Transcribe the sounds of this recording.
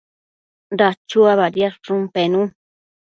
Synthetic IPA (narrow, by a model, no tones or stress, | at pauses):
nɾat͡ʃuaβaɾjasʈɾumpenũ